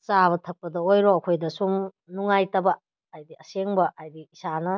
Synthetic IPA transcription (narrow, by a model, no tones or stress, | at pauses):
t͡ʃaβɐtʰɐk̚pɐdɐojɾoɐkʰojdɐsum | nuŋajtɐbɐː | jdiɐseŋbɐʔajdiːsanɐ